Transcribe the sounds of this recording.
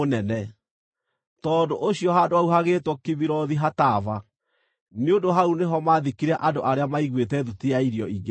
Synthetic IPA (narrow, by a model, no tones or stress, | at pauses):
onɛnɛ | tɔːndoʔoɕjɔɦadoauɦaɣetwɔkiβiɾɔðiɦatava | neondoɦauneɦɔmaːðikiɾɛʔandoʔaɾeamaiɣwetɛðutiaiɾjɔiɡe